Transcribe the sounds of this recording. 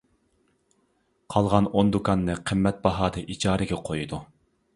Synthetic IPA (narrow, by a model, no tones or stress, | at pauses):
qʰɑlˠʁɑnond̪ukɑnːɨqʰəmːɛt̪̚bɑɦɑːd̪ɨʔid͡ʒɑːɾɪɡʲɛqʰojud̪u